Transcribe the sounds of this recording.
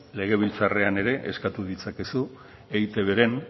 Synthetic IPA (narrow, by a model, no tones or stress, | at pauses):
le̞ɣ̞e̞β̞ilt͡sare̞ane̞ɾe̞ʔeskat̪uðit͡sakesu | eɣjt̪e̞βe̞ɾe̞n